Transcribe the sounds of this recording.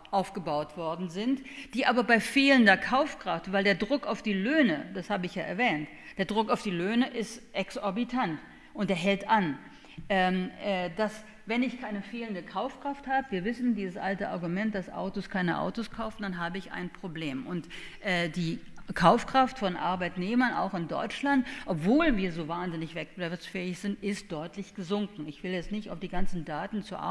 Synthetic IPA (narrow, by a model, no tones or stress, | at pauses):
ʔaʊfɡ̥əbaʊtv̥ɔɐdn̩zɪntd̥iːʔaːbɐbaɪfeːləndɐkʰaʊfkʁ̥aftvaɪldeːɐdʁʊkaʊfd̥iːløːnəd̥ashaːbəɪçjaːʔɛ̰ɐvɛːnt | d̥eːɐdʁʊkaʊfd̥iːløːnəʔɪstʔɛksɔɐbitʰant | ʔʊnt̚d̥eːɐɦɛltʔan | ʔɛːʔɛːd̥as | vɛnɪçkʰaɪnəfeːləndəkʰaʊfkʁ̥afthaːbəviːɐvɪsn̩diːzəsʔaltəʔa̰ɐɡumɛnt̚d̥asʔa̰ʊtoskʰaɪnə̰ʔa̰ʊtoskʰaʊfn̩d̥anɦaːbəɪçʔa̰ɪnpʁ̥obleːmʔʊntʔɛːdiːkʰaʊfkʁ̥aftfɔnʔa̰ɐbaɪtneːmɐna̰ʊxɪndɔ̰ʏt͡ʃlantʔɔpv̥oːlviːɐzoːvaːnzɪnɪçv̥ɛk̚b̥ɛfsfɛːɪçz̥ɪntʔɪst̚d̥ɔʏtʰlɪçɡ̥əzʊŋkŋ̩ɪçv̥ɪljɛt͡stnɪçtaʊfd̥iːɡant͡sn̩daːtn̩t͡suʔa̰